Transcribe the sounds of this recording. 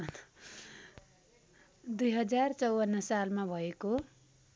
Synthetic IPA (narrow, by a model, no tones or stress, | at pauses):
d̪ujɦʌd͡zart͡sʌwʌnːʌsalmabʱʌeko